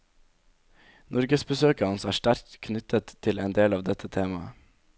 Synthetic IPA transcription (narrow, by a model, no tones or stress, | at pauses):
nɔɾɡəsbəsøːkəɑnsæːʃʈæɾtkʰnʏt̪ʰət̪ʰɪleːnd̪eːlɑːʋd̪ɛt̪ʰət̪ʰeːmɑə